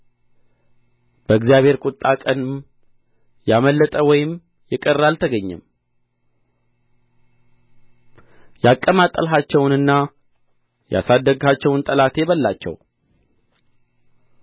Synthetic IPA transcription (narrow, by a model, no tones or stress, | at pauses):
b̥əɡzijaβhe̞ɾkʼut̪ʼːakʼənm | jaməlːət̪ʼəwɔjɪm | jɪkʼərːalt̪ʰəɡəɲːɛ̰m | jakʼːəmat̪ʼːəlɦat͡ʃːɛwnɨnːa | ja̰sad̪ːəɡhat͡ʃːɛwnt̪ʼəlat̪ʰɛβəlːat͡ʃːɛ̰w